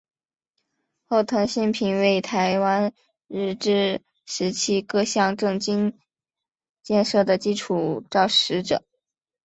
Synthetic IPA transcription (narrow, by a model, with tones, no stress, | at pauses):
xo˥˩ʊt̪ʰɤ˧˥ŋɕi˥npʰi˧˥nwe˥˩ɪt̪ʰa˧˥ɪwa˥n | ɻ̩˥˧ʈ͡ʂɻ̩˥˧ | ʂɻ̩˧˥t͡ɕʰi˥kɤ˥˧ɕjɑ˥˧ŋʈ͡ʂɤ˥˧ŋt͡ɕi˥n | t͡ɕjɛ˥˧nʂɤ˥˩d̪ə˩t͡ɕi˥ʈ͡ʂʰu˨˩ʈ͡ʂɑ˥˩ʊʂɻ̩˧˥ʈ͡ʂɤ̰˨˩˦